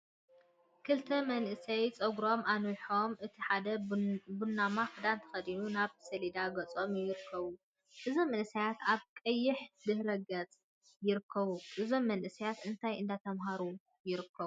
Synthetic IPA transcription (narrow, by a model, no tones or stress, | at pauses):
kʰɨlt̪ʰɐmɐnʔɨsɐjt͡sʼoɡɾo̞mʔanujħo̞mʔɨt̪ʰiħad̪ɐbunːamaxɨd̪ant̪ʰɐ̥xɐd̪inunaβsɐlid̪aɡɐt͡sʼo̞mjɪɾɨkʰːɐβu | ʔɨzo̞mːɐnʔɨsɐjat̪aβkʼɐjːɪħd̪ɨhɾɐɡɐt͡sʼ | jɪɾɨkʰːɐβuʔɨzo̞mːɐnʔɨsɐjat̪ɨnt̪ʰajʔɨnd̪at̪ʰɐmɦaɾu | jɪɾɨkʰːɐβu